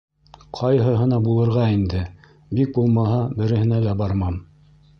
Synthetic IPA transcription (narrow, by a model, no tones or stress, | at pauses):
qʰɑjɦɤɦɤ̆nɑbulˠɤ̆ɾʁɑind̪ɘ | bik̚bulˠmɑɦɑbɘ̆ɾɘ̆hɘ̆nælæbɑɾmɑm